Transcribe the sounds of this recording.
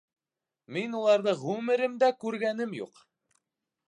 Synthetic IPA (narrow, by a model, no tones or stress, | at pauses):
minulˠɑɾðɤʁʉmɘ̆ɾɘmd̪ækʉɾɡæn̪ɘmjṵq